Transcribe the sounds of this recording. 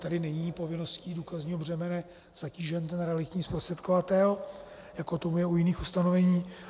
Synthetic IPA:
t̪adɪnɛɲiːpo̞vɪno̞sciːdukazɲiːɦobr̝ɛmɛnɛ | z̥aciːʒɛnt̪ɛnɾɛalɪt̪ɲiːspɾost̪r̥ɛt̪kovat̪ɛl | jakot̪o̞mujɛujɪniːxust̪anovɛɲiː

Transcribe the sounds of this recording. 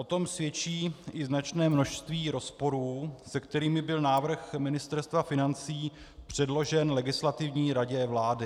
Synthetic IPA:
ʔo̞t̪o̞msvjɛt͡ʃiːʔɪznat͡ʃnɛːmno̞ʃst̪viːɾo̞spo̞ɾuːsɛk̚t̪ɛɾiːmɪbɪlnaːvr̩xmɪnɪst̪ɛɾst̪vafɪnant͡siː | pr̝̥ɛdlo̞ʒɛnlɛɡɪslat̪ɪvɲiːɾaɟɛvlaːdɪ

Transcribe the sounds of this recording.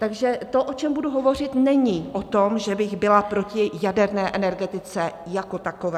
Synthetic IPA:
t̪aɡʒɛt̪o̞ʔo̞t͡ʃɛmbuduɦo̞vo̞r̝ɪt̪nɛɲiʔo̞t̪o̞mʒɛbɪɣbɪlapɾo̞cɪjadɛɾnɛːʔɛnɛɾɡɛt̪ɪt͡sɛjako̞t̪ako̞vɛː

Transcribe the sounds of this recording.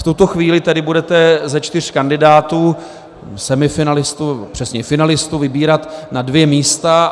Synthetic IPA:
ft̪ut̪oxviːlɪt̪ɛdɪbudɛt̪ɛzɛt͡ʃt̪ɪr̝̥kandɪdaːt̪uː | sɛmɪfɪnalɪst̪unɛbopr̝̥ɛsɲɛfɪnalɪst̪uvɪbiːɾat̪nadvjɛmiːst̪a

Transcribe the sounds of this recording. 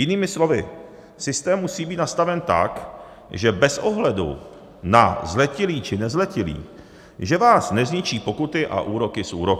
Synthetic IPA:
jɪniːmɪslo̞vɪ | sɪst̪ɛːmːusiːbiːt̪nast̪avɛnt̪a̰k | ʒɛbɛso̞ɦlɛdṵ | nazlɛcɪliːt͡ʃɪnɛzlɛcɪlḭː | ʒɛvaːsnɛzɲɪt͡ʃiːpo̞kut̪ɪʔa̰ʔuːɾo̞kɪsʔuːɾok

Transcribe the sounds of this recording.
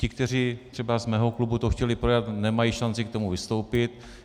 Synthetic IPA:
cɪkt̪ɛr̝iːt̪r̥ɛbazmɛːɦo̞klubut̪oxcɛlɪpɾojat̪nɛmajiːʃant͡sɪkt̪o̞muvɪst̪o̞wpɪt̪

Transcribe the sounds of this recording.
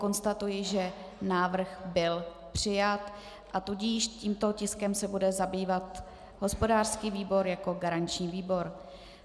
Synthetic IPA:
ko̞nst̪at̪ujɪʒɛ | naːvr̩xbɪl | pr̝̥ɪjat̪ | ʔat̪uɟiʃciːmt̪ocɪskɛmsɛbudɛzabiːvat̪ | ɦo̞spo̞daːr̥skiːviːbo̞ɾjako̞ɡaɾaɲt͡ʃɲiːviːbo̞ɾ

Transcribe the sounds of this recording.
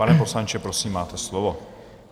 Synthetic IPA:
anɛpo̞slaɲt͡ʃɛpɾosiːmːaːt̪ɛslovo

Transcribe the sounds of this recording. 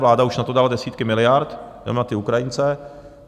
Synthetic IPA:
vlaːdauʃnat̪o̞daldɛsiːt̪kɪmɪlɪjaɾt̪dɛ̰mnat̪ɪukɾajɪnt͡sɛ

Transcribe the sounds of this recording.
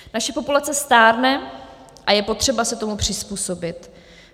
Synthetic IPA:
naʃɛpo̞pulat͡sɛst̪aːɾnɛ | ʔajɛpo̞t̪r̝̥ɛbasɛt̪o̞mupr̝̥ɪspuːso̞bɪt̪

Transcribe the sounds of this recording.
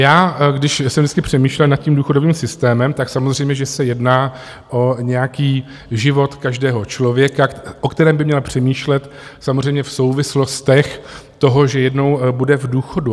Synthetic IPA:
jaːɡdɪʃsɛmvdɪt͡sskɪpr̝̥ɛmiːʃlɛlnat̪̚ciːmduːxodoviːmsɪst̪ɛːmɛmt̪aksamozrɛjmɲɛʒɛsɛjɛdnaː | ʔo̞ɲɛjakiː | ʒɪvo̞t̪kaʒdɛːɦo̞t͡ʃlovjɛkaʔokt̪ɛɾɛːmbɪmɲɛlpr̝̥ɛmiːʃlɛt̪ | samozr̝ɛjmɲɛfso̞wvɪslo̞st̪ɛxt̪o̞ɦo̞ʒɛjɛdno̞wbudɛvduːxo̞du

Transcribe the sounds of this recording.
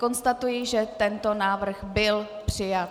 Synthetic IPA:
ko̞nst̪at̪ujiʒɛt̪ɛnt̪o̞naːvr̩xbɪl | pr̥ɪjat̪

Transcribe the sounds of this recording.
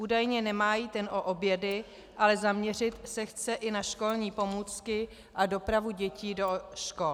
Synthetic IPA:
ʔuːdajɲɛnɛmaːjiːt̪ɛnʔo̞ʔobjɛdɪ | ʔalɛzamɲɛrɪt̪sɛxt͡sɛʔɪnaʃko̞lɲiːpo̞muːt͡skɪ | ʔado̞pɾavuɟɛciːdoʃkol

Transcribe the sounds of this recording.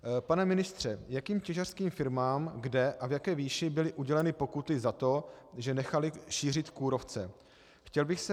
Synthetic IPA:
panɛmɪnɪst̪r̝̥ɛjakiːmcɛʒar̥skiːmfɪɾmaːmɡdɛʔavjakɛːviːʃɪbɪlɪʔuɟɛlɛnɪpo̞kut̪ɪzat̪o̞ʒɛnɛxalɪʃiːr̝ɪt̪kuːɾo̞ft͡sɛ | xcɛlbɪxsɛ

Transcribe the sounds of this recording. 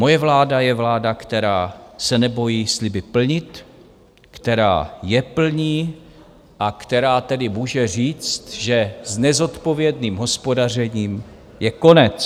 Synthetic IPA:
mo̞jɛvlaːdajɛvlaːdakt̪ɛɾaːsɛnɛbo̞jiːslɪbɪpl̩ɲɪt̪ | kt̪ɛɾa̰ːjɛpl̩ɲiː | ʔakt̪ɛɾaːt̪ɛdɪmuːʒɛr̝iːt͡st̪ʒɛznɛzo̞t̪po̞vjɛdniːmɦo̞spo̞dar̝ɛɲiːm | jɛkonɛt͡s

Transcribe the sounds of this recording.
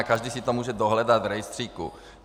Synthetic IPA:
kaʒdiːsit̪omuːʒɛdoɦlɛdat̪vɾɛjst̪r̥iːkṵ

